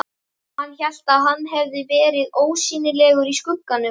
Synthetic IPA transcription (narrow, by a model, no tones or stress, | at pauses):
hanːçal̥t̪aðɦanːɦɛvðɪvɛːɾɪðoːwsiːnɪlɛːɣʏɾiskʏkːanːʏ